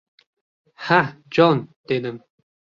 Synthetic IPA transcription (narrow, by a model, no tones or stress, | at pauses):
had͡ʒɔːnd̪̥ed̪əm